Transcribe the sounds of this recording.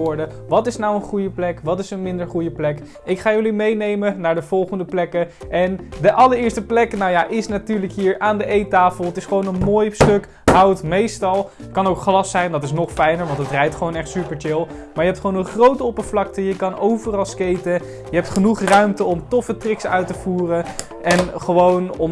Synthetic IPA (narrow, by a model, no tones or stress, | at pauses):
ɔɹdəʋɑtɪsnawənχujəplɛkʋɑtɪsənmɪndəɹχujəplɛk | ɪkχaːjɵlimejnejmənaːɹdəv̥ɔlˠχəndəplɛkəɛndəʔɑləɹɪːɹstəplɛknawjaʔɪsnatyːɹləkɦiːɹaːndəʔejtaːfəlˠɦətɪsχəʋownənmoːjstɵk | ɦawətmejstɑlˠ | kɑnowkχlɑsɛjndɑtɪsnɔχfɛjnəɹʋɑntətrɛjtχʋownɛχtsypəɹt͡ʃɪlˠ | maːɹjəɦɛptχəʋownənχrowtɔpəvlɑk̚təjəkɑnʔowvərɑlˠskejtə | jəɦɛp̚tχənuχrœɥmtəɔmtɔfətrɪksœ̰ɥtəv̥uːrə | ʔɛnχəʋownɔm